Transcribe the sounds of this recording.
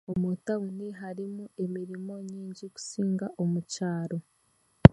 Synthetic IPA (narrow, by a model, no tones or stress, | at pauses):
omutauniɦaɾimue̞miɾimo̞ɲiːɲɟiku̥siːŋɡaʔomucaːɾo̞